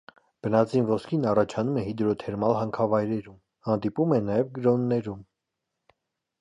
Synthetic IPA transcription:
b̥ənɑt͡sʰinvɔskʰinɑrɑt͡ʃʰɑnumɛhid̪ɾɔt̪ʰɛɾmɑlɦɑŋkʰɑvɑjɾɛɾum | hɑnd̪ipumɛnɑjɛvɡəɾɔnːɛɾum

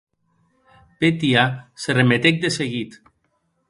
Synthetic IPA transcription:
pet̪iaseremet̪ek̚d̪eseɣit̪

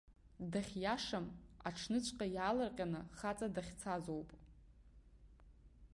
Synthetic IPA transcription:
daχʲjaʂama̰ʈ͡ʂʰnɨt͡ʃʷʼqʼajaːlarqʲʼanɨχat͡sʼadaχʲt͡sʰazowpʼ

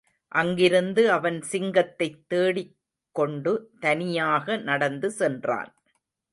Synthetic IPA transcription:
ʔɐŋɡɪɾɯnd̪ɯɐʋɐnsɪŋɡɐt̪ːɐɪt̪ːeːɽɪ | kːɔɳɖɯt̪ɐnɪjaːɣɐnɐɽɐnd̪ɯsɛndra̰ːn

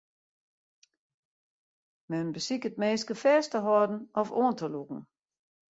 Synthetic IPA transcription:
mɛnbəsikəd̚meːskəfɛːstəɦɔɐdn̩ɔfɔːɐntʰəluɡ̥ŋ̩

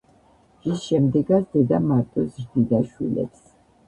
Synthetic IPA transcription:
ʒisʃɛmd̪ɛɡat̪sd̪̥ɛd̪amaɾt̪ʼɔsɾd̪id̪aʃwḭlɛ̰ps

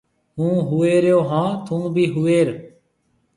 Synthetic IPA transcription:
ɦũːɦueːɾjoːɦãːt̪ʰũːbʱiːɦueːɾ

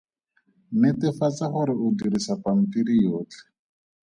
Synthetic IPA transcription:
nɪtɪfat͡saχʊɾɪʊdiɾisapam̩piɾijoːt͡ɬɛ̥

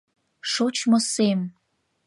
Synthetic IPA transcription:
ʃot͡ɕmosem

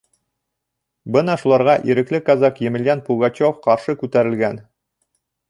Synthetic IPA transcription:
bɤnɑʃulˠɑɾʁɑʔiɾɘ̆klɘkazakjɘ̆mɘ̆ljænpuɡɑt͡ɕofqɑɾʃɤkʉt̪æɾɘ̆lɡæn

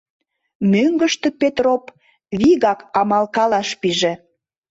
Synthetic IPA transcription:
møŋɡəʃt̪ĕpet̪rop | βiɣɑkɑmɑlkɑlɑʃpiʒĕ

